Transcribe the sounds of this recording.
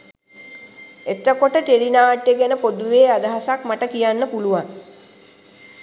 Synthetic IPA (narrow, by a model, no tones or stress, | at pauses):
et̪əkoʈəʈ̪elinaːʈjeɡænəpod̪uʋeːad̪əɦasakmaʈəkijanːəpuluʋaŋ